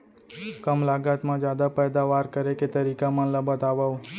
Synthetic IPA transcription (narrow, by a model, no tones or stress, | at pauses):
kəmlaɡat̪mãd͡ʒjad̪apɛjd̪aʋaɾkəɾeket̪əɾikamənləbət̪aʋaʋ